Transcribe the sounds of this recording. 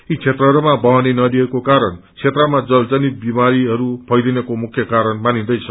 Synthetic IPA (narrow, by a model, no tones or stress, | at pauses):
it͡sʰet̪rʌɦʌɾumabʌɦanenʌd̪iʌkokaɾʌnt͡sʰet̪rʌmad͡zʌld͡zʌnit̪̚bimaɾiɦʌɾubʱʌjd̪inʌkomukʰjʌkaɾʌnmanĩd̪ʌjt͡sʰʌ